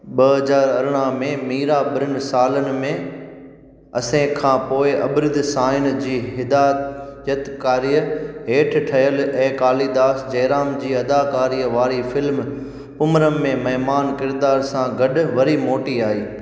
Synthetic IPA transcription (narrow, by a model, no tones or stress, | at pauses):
ɓɐɦɐzaːɾɐɾɽ̃əɦmẽmiːɾaɓɪɾɪnɪ̆saːlənɪ̆mẽ | ɐsẽkʰãːpoːɪʔɐbɪɾɪd̪saːɪnd͡ʑiːɦɪd̪aːt̪jət̪kaːɾijəɦeːʈʰʈʰɐjəlɛ̃ːkaːlid̪aːsd͡ʑɐːɾaːmd͡ʑiːɐd̪aːkaːɾiːəʋaːɾifɪlm | pʊmɾəmːẽmɐɦɪmaːnkɪɾd̪aːɾsãɡɐɗʋɐɾimoːʈiaːiː